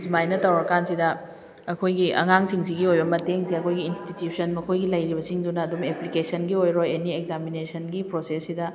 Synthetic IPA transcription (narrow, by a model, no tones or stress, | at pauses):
d͡ʒumajnɐtɐwɾɐkansidɐ | ɐkʰojɡiʔɐ̰ŋaŋsiŋsiɡiojbɐmɐteŋsiɐkʰojɡiːnstitjusɐnmɐkʰojɡilɐjɾibɐsiŋdunɐːdumeplikesɐnɡiojɾojenieɡzaminesɐnɡipɾosesːidɐ